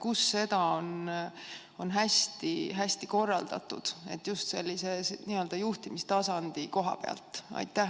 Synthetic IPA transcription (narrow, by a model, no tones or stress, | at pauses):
kusːe̞d̪̥ɑo̞n | o̞nɦæsʲt̪iɦæsʲt̪iko̞rːɑld̪̥ɑ̰t̪ːud̪̥e̞̰t̪ːjust̪se̞lʲːise̞sniø̞ld̪̥ɑjuht̪imist̪ɑsɑnd̪̥iko̞ɦɑ̰pe̞ɑ̰lt̪ˑɑ̰jt̪ːˑæh